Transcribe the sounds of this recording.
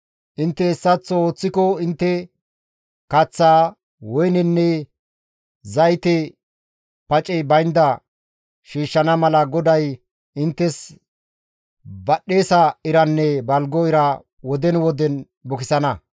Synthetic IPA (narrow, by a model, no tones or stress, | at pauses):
ʔɪnt̪ːɛːsːɐt͡sːɔoːt͡sːɪkɔɪnt̪ːɛ | kɐt͡sːaː | wɔjnɪnːɛ | zɐjt̪ɛ | pɐt͡ʃʼɛbɐjnd̪ɐ | ʃiːʃːɐnɐmɐlɐɡɔd̪ɐj | ɪnt̪ːɛs | bɐɗːe̞ːsɐɪɾɐnːɛbɐlɡɔɪɾɐ | wɔd̪ɛnwɔd̪ɛn | bɔkɪsɐnɐ